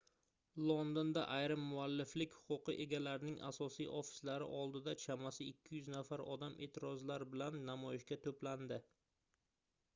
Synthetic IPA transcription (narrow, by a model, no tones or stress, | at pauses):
lˠond̪ond̪aʔajɾɪmːʊalːɪflɪkʲhʊ̥qʊqɨʔeɡʲalaɾnɪŋa̰sɒsijʔofɪ̥slaɾɪ̰ʔɒlˠd̪ɪd̪at͡ʃʰamasɪɪkʲʰːɪjʉznafaɾɒ̰d̪amʔe̞̰ːt̪ʰɪɾɒzlaɾbɪlanːamɒjɪʃkʲat̪ʰopland̪ɪ